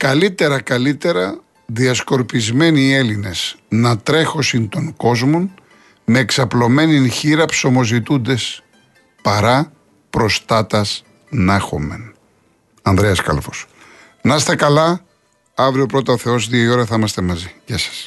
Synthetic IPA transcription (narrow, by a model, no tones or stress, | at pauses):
kɐlit̪e̞ɾɐkɐlit̪e̞ɾɐ | ðiɐsko̞ɾpizme̞nie̞line̞snɐt̪ɾe̞xo̞sint̪o̞ŋko̞zmo̞n | me̞ːksɐplo̞me̞ninçiɾɐpso̞mo̞zit̪und̪e̞s | pɐɾɐ | pɾo̞st̪ɐt̪ɐs | nɐxo̞̰me̞̰n | ɐnðɾeɐskɐ̰lfos | nɐst̪e̞kɐlɐ | ɐvɾio̞pɾo̞t̪ɐoθe̞o̞sðiɐio̞ɾɐθimɐst̪e̞mɐziʝɐsɐ̥s